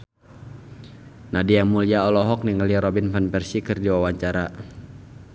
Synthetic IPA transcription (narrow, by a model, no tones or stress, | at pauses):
nadijaŋmuliaɔlɔɦɔk̚niŋəliaɾɔbinfanpɛrsikɨrdiwawaɲt͡ʃaɾa